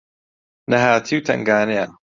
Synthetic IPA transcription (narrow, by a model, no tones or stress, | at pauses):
nɐɦaːt̪ʰiwt̪ʰɐ̰ŋɡaːnea